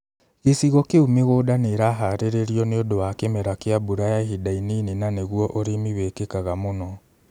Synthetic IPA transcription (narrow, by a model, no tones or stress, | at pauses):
ɣesiɣɔkeumeɣoːdaneɾaɦaɾeɾeɾiɔneodowakemɛɾakeabuɾajaɦidaininenaneɣuɔʔoɾemiβekekaɣamonɔ